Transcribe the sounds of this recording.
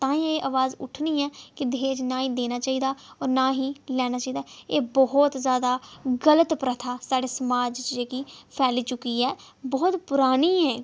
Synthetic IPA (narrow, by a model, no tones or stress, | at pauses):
t̪ãːĩeːʔəʋaːzʊ̰ʈʰniːɛːkɪd̪eːt͡ʃnãːĩːd̪eːnaːt͡ʃaːiːd̪aːɔːɾnãːɦiːlɛːnaːt͡ʃaːiːd̪aːeːbɔɦt̪zjaːd̪aːɡələt̪pɾət̪ʰaːsaːɖeːsəmaːd͡ʒt͡ʃd͡ʒeːkiːpʰɛːliːt͡ʃʊkiːɛː | bɔːt̪pʊɾaːniːɛː